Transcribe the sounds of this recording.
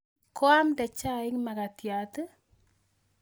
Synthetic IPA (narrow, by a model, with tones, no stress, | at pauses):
kɔ˦a˦mdɛ˨t͡ʃa˦ɪ˦kma˨ka˨tja˨tɨ˦